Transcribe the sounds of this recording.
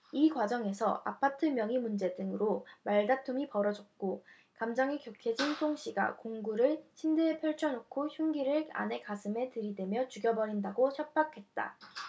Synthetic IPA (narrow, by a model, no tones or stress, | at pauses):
ikwad͡ʑʌŋe̞sʰʌ̰a̰pʰatʰɯmjʌŋimund͡ʑe̞dɯŋɯɾomaɭdatʰumipʌɾʌd͡ʑʌt̚k͈o | kamd͡ʑʌŋikjʌkʰed͡ʑinsʰoŋɕ͈ʰiɡa̰koŋɡuɾɯɭɕʰindepʰjʌɭt͡ɕʰʌnokʰoçjuŋɡiɾɯɭa̰ne̞kasʰɯme̞tɯɾidwe̞mjʌt͡ɕuɡjʌbʌɾindaɡoɕjʌp͈akʰe̞t̚t͈a̰